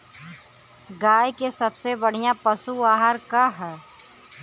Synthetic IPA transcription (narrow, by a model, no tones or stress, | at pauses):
ɡaːjkesɐbsebɐɽ̤ijãpɐsuaːɦəɾkaɦɛː